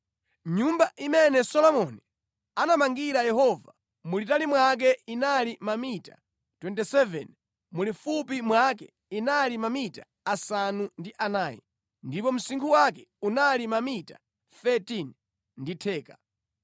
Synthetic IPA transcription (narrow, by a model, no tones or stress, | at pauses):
ɲumbaʔimɛnɛsɔlɔmɔni | anamaŋɡiɾajɛhɔva | mulitalimwak̬ɛinalimamita̰ | twɛntɛsɛvɛ̰n | mulifup̬imwakɛ | inalimamitḁ | asanundiʔanaːjɛ̰ | ndipɔm̩siŋkʰuwakɛ̥unalimamita̰ | θɛtin | nditʰɛːkḁ